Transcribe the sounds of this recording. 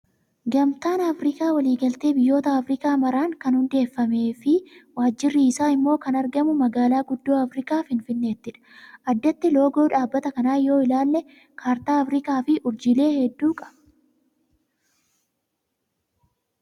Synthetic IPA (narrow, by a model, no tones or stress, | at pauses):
ɡɐmt̪aːnɐfɾɪkaːwɐliːɡɐlt̪eːbɪjːo̞ːt̪ɐɐfɾɪkaːmɐɾaːŋkɐnhʊnd̪e̞ːfːɐme̞ːfɪwaːd͡ʒːɪrːɪːsaːɪmːo̞ːkɐnɐɾɡɐmʊmɐɡaːlaːɡʊd̪ːoːɐfɾɪkaːfɪnfɪnːe̞ːt̪ːɪᶑɐ̥ʔɐd̪ːɐt̪ːɪlo̞ːɡo̞ːᶑaːbːɐt̪ɐkɐnaːjo̞ːɪlaːlnɛ | kʰaːɾt̪aːɐfɾɪkaːfɪʔʊɾd͡ʒɪle̞ːhɛd̪ːuːkʼɐ̥bɐ